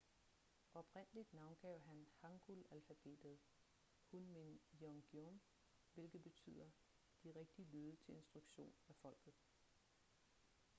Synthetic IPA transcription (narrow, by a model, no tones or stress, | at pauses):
ʔɒ̽b̥ʁen̰əlid̥nɑ̈ʊnɡ̥ɛʊ̰ɦænhɑ̈ŋɡ̥ulælfæb̥e̝̰ːd̥ð̩ˠ | hunmenjɒŋɡ̥jom | ʋe̝lɡ̥ð̩ˠb̥e̝t͡sʰy̰ð̰ˠɐ | d̥iʁeɡ̥̚d̥iəlyːð̞ˠət͡sʰe̝le̝nsd̥ʁuɡ̥ɕo̝̰ːnæfɒ̽l̰ɡ̥ð̩ˠ